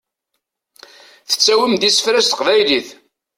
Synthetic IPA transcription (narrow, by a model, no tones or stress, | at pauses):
θə̥t͡sːæwəmd̪isə̥fɾæst̪əqvæjliθ